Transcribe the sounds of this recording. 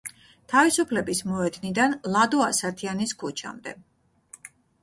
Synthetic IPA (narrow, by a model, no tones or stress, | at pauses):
t̪ʰavisupʰlɛbismɔɛd̪nid̪anlˠad̪ɔasat̪ʰianiskʰut͡ʃʰa̰md̪ɛ̰